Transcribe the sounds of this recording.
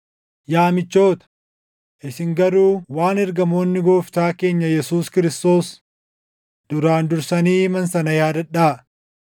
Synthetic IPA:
jaːmɪt͡ʃːo̞ːt̪ɐ̥ | ʔɪsɪŋɡɐɾuːwaːnɛɾɡɐmo̞ːnːɪɡoːft̪aːke̞ːɲːɐjɛsuːskɪɾɪst̪o̞ːs | d̪̥ʊɾaːnd̪ʊɾsɐniːmɐnsɐnɐjaːd̪ɐᶑaː

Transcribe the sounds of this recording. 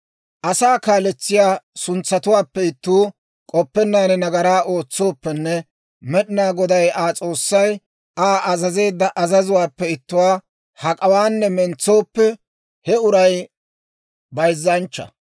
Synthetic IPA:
ʔɐsaːkaːlɛt͡sːɪjaːsʊnt͡sːɐt̪ʊwaːpːɛɪt̪ːuː | kʼɔpːɛnːaːnɛnɐɡɐɾaːʔo̞ːt͡sːoːpːɛnːɛ | mɛɗɪnaːɡɔd̪ɐjaːt͡sʼo̞ːsːɐj | aːʔɐzɐze̞ːd̪ːɐʔɐzɐzʊwaːpːɛɪt̪ːʊwaː | hɐkʼɐwaːnːɛmɛnt͡sːo̞ːpːɛ | hɛʊɾɐj | bɐjzːɐnt͡ʃːɐ̰

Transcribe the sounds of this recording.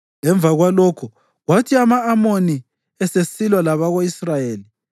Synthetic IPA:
ɛɱb̪vʱaɣwalɔkʰɔ | ɣwatʰiamaːmoni | ɛsesilwalaβaɣoisrajeːli

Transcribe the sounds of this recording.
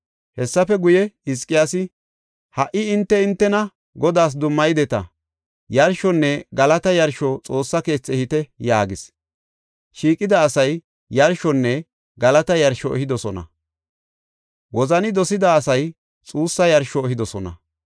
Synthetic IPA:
hɛsːɐfɛɡʊjɛɪs̬kʼɪjaːsɪ | hɐʔɪɪnt̪ːɛɪnt̪ːɛnɐ | ɡɔd̪aːs̬d̪ʊmːɐjd̪ɛt̪ɐ̰ | jɐɾʃɔnːɛɡɐlɐt̪ɐjɐɾʃɔt͡sʼo̞ːsːɐke̞ːt͡sːɛhɪt̪ɛjaːɡɪs | ʃiːkʼːɪd̪ɐːsɐj | jɐɾʃɔnːɛ | ɡɐlɐt̪ɐjɐɾʃɔɛ̰hɪd̪ɔsɔnɐ̰ | wɔzɐnɪd̪ɔsɪd̪ɐːsɐj | t͡sʼuːsːɐjɐɾʃɔːɦɪd̪ɔsɔnɐ̰

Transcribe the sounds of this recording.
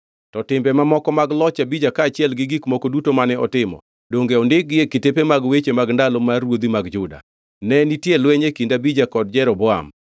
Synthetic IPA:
tɔtɪmbɛmamɔkɔmaɡlɔt͡ʃabid͡ʒakaːt͡ʃɪɛlɡɪɡikmokodutomanɛɔ̰tɪmɔ̰ | doŋɡeɔndɪɡɪekitepemaɡwet͡ʃemaɡndalɔmaɾwod̪imaɡd͡ʒʊda̰ | nɛnitjelweɲekindabid͡ʒakɔd̚d͡ʒɛɾɔbɔa̰m

